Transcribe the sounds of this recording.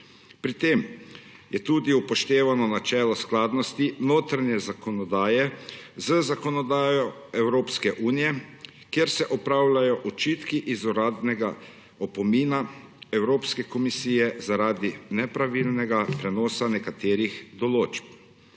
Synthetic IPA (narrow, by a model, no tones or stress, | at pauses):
pɾit̪eːm | jɛt̪uːd̪iupɔʃt̪eːʋanɔnat͡ʃɛːlɔsklaːd̪nɔst̪inoːt̪ɾaɲjɛzakɔnɔd̪aːjɛzəzakɔnɔd̪aːjɔɛwɾoːpskɛʔuːnijɛ | kjeɾsɛʔɔpɾaːwlajɔʔut͡ʃiːt̪kiʔizuɾaːd̪nɛɡa | ɔpɔmiːnaɛwɾoːpskɛkɔmisiːjɛzaɾaːd̪inɛpɾaʋilnɛɡapɾɛnɔːsanɛkat̪eːɾixd̪ɔloːt͡ʃp̚